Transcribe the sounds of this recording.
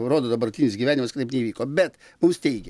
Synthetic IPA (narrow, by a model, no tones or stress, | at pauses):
ɾoːd̪oːd̪ɐbɐrʲt̪ʲiːnʲɪsɡʲiːʋʲæːnʲɪmɐskɐt̪ɐɪpnʲɛiʋʲiːkoːbʲɛt̪ | mʊmst̪ʲɛɪɡʲɛ